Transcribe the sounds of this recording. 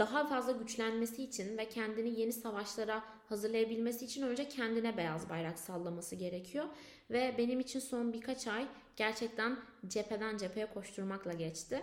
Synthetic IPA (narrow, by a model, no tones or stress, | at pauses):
d̪̥aɦafazlˠaɟyt͡ʃlʲænme̞siːt͡ʃʰinvɛcʰɛnd̪inije̞nisavaʃlˠaɾa | hazɯɾlˠajabilʲme̞siːt͡ʃʰinø̞nd͡ʒacʰɛnd̪inɛbejazbajɾaksalˠːamasɯɟe̞ɾecʰijo | vɛbe̞nimit͡ʃʰinso̞nbiɾkʰat͡ʃʰaj | ɟ̥æɾt͡ʃʰɛc̚t̪ʰænd͡ʒepʰe̞d̪ænd͡ʒe̞pʰe̞jɛkʰo̞ʃt̪ʰuɾmaklˠaɟɛt͡ʃt̪ʰɪ